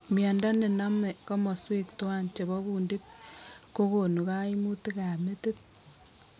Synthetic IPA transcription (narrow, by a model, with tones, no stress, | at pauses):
mjɛ˨nda˦ne˨na˦mɛ˨kɔ˦mɔ˨swe˦kto˦a˦nt͡ʃe˨βɔ˦ɣuː˨ndi˦p̚ko˦ko˨nu˨ka˦i˦mu˦ti˦ka˨me˦te˦t̚